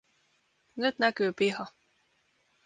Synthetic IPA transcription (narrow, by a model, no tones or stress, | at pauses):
nyt̪nækyːpiɦɑ